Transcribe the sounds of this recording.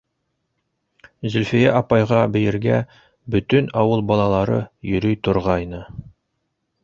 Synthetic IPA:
zɵ̆lʲfĭjæʔɑpɑjʁɑbɘ̆jɘ̆ɾɡæ | bɵ̆t̪ɵnɑwɤlˠbɑlˠɑlˠɑɾɤ̰jɵ̆ɾɵjt̪ŏɾʁɑjnɤ

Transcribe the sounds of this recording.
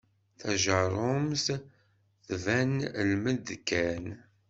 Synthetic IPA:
θæʒəɾˤoms | θvænlməd̪kːæn

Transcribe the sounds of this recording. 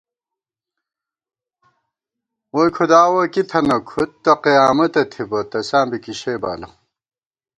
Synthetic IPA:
wojkʰud̪aːwɐkit̪ʰɐnɐkʰut̪ːɐqijaːmɐt̪ɐt̪ʰibɐt̪ɐsaːmbikiɕeba̰ːlɐ

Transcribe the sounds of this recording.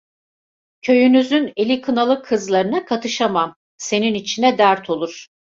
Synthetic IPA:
cʰø̞jynyzyne̞lʲikʰɯnalˠɯkʰːɯzlˠaɾɯnakʰat̪ʰɯʃamam | se̞ninit͡ʃʰinɛd̪æɾt̪ʰo̞lˠuɾ̥

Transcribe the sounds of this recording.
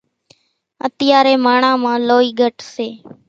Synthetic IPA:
ət̪ɪjaːɾeːmaːɳãːmãːloːiːɡʱəʈseː

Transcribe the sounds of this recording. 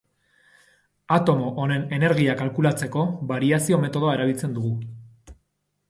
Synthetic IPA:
at̪o̞mo̞ʔone̞ne̞ne̞ɾɣiakalkulat͡se̞ko̞βaɾiasio̞me̞t̪o̞ð̞o̞aeɾaβilt͡se̞nd̪uɣu

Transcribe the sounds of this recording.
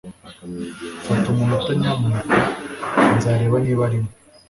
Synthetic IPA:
fatumumutaɲamu | nzaːɾe̞ːβaniβaɾimo

